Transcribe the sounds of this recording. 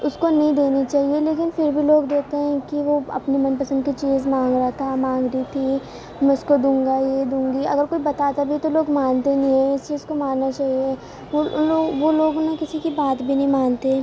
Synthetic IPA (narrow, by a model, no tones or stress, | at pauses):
ʊskonɐɦĩd̪eːnit͡ʃaːɦieleːkɪnfɪɾbʱiloːɡd̪eːt̪eɦɛ̃kiʋoɐ̰pnimɐnpɐsə̃nd̪kit͡ʃiːzmãːŋɡɾaɦat̪ʰamãːŋɡɾit̪ʰi | mɛ̃ʊskod̪ũːŋɡajed̪ũːŋɡiɐ̰ɡəɾkoːibɐt̪aːt̪abʱit̪oloːɡmaːnt̪enĩɦɛ̃ɪseʊskomaːnːat͡ʃaːɦie | ʋoloːɡʋoloːɡnakɪsikibaːt̪bʱinɐɦĩmaːnt̪ẽ